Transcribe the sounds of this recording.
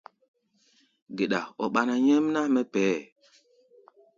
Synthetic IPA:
ɡe˨ɗa̰˨ɔ˨ɓa˨na˨ɲə˦mna˦mɛ˦pɛː˨˦

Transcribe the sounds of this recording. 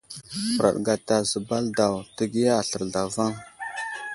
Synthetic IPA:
pə˨ɾa̰˨ɗɡa˨ta˨zə˨ba˦lda˨wtə˦ɡi˦ja˦a˨ɬə˨ɾɮa˨va˦ŋ

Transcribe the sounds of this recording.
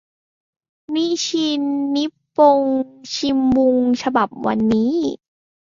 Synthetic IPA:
mi˦˧˥t͡ɕʰi˧nːi˦˥pːo˧ŋt͡ɕʰi˧mbu˧ŋt͡ɕʰa˧ba˨˩p̚wa̰˧nːiː˦˥

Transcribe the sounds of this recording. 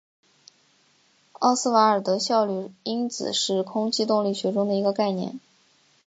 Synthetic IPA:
ɑ˥˧sɹ̩˥˩wa˧˥ə˞˨˩t̪ɤ˧˥ɕjɑ˥˧ʊly˥˩i˥nt͡sɹ̩̰˨˩ʂɻ̩˥˩kʰʊ˥ŋt͡ɕi˥t̪ʊ˥˧ŋli˥˩ɕɥɛ˧˥ʈ͡ʂʊ˥ŋd̪ə˨i˧˥ɡə˧ka˥˧ɪnjɛ̰˥˩˦n

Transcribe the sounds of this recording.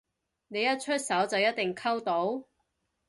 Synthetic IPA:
ne˨˧jɐ˥t̚t͡ʃʰɵ˥t̚sɐ˨˥wt͡sɐ˨wjɐ˥t̚t̪ɪ˨˩ŋkʰɐ˥wt̪o˨˥w

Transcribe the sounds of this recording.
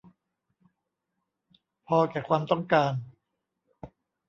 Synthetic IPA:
pʰɔː˧kɛː˨˩kʰwaː˧mt̪ɔ˥˩ŋkaː˧n

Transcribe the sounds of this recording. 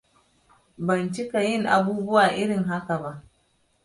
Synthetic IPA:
bɐ˨nt͡ʃɪ˦ka˨jɪ˦˨ŋʔa˨buː˦bʊ˦waː˨ʔɪ˦ɽɪ˨ŋɦa˦ka˨ba˦ʔ

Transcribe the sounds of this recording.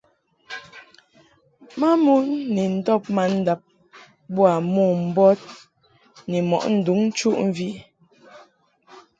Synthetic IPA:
ma˦mu˦nːɛ˨n̩˨˦dɔ˦˨p̚ma˨˦n̩˦da˦p̚ | bwa˨mɔ˦˨m̩˨bɔ˦t̚ | nɛ˨mɔ̰˨ʔn̩˨du˨˦ŋ̩˦t͡ʃu˦ʔɱ̩˦vi˦

